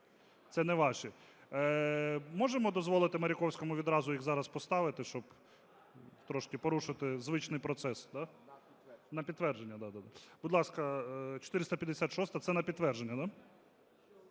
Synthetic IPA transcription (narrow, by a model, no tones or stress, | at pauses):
t̪sɛnɛʋɑʃɛ | mɔʒemɔd̪ɔzʋɔlˠɪt̪ɪmɐɾʲɪkɔwsʲkɔmʊʋʲid̪ɾɑzʊjiɣzɑɾɐspɔst̪ɑʋɪt̪ɪʃt͡ʃɔb | t̪ɾɔʃkɪpɔɾuʃɪt̪ɪzʋɪt͡ʃnɪjpɾɔt̪sɛsd̪ɑ | nɐpʲit̪t̪ːʋɛrd͡ʒe̞nʲːɐd̪ad̪ad̪ab̥ʊd̪lˠɑskɐt͡ʃɔ̥t̪ɪɾɪst̪ɐpʲjɐd̪esʲat̪ʃɔst̪ɐt̪sɛnɐpʲid̪ːʋɛrʒenʲːɐd̪ɑ